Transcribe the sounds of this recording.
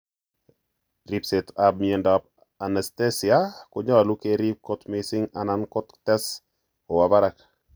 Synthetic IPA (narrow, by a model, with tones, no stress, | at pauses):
ɾi˦pse˨tab̚miɛ˨ndap̚ | a˨nɛste˦si˨ako˨ɲa˦wa˨lu˦keɾi˦p̚ko˦tmɪsɪ˦ŋa˨nankɔ˦ttɛ˦s | o˨wa˨ba˦ɾa˨k